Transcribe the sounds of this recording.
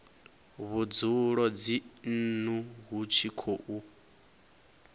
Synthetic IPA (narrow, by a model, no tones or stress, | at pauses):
βud͡zuɺɔd͡zin̩nuɦut͡ʃʰikʰoʔu